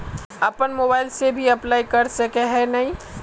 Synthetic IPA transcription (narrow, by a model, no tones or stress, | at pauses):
ɐpənmoːbaːɪlsebʱiɐplaːikɐɾsɐkeɦɛnɐɦĩ